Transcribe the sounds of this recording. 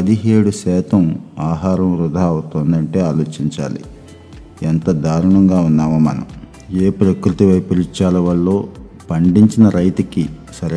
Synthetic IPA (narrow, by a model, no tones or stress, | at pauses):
ɐd̪iɦe̞ːɽusɛːt̪ɐmaːɦaːɾɐmɾud̪ʱaːɐwut̪oːnd̪ɐɳʈe̞ːaːlo̞ːt͡ʃiɲt͡ʃa̰ːlḭ | ent̪ɐd̪aːɾuɳɐŋɡaːunːaːmɐmɐ̰nɐ̰m | eːpɾɐkɾut̪iʋɐjpɐɾit͡ʃaːlɐʋɐɭːo̞ː | pɐɳɖiɲt͡ʃinɐɾɐjt̪ukisɐɾ